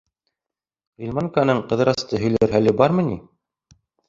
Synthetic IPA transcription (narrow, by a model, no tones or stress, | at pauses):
ilʲmɑŋkanɤɴqɤ̆ðɤ̆ɾɑst̪ɤɦɵ̆jlæɾɦælɘbɑɾmɤ̆ni